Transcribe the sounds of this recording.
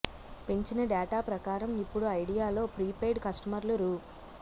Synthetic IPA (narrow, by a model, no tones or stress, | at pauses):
pe̞ɲt͡ʃinɐɖaːʈaːpɾɐkaːɾɐmipːuɽuɐjɽijaːlo̞ːpɾiːpejɖkɐsʈɐmɐɾluɾu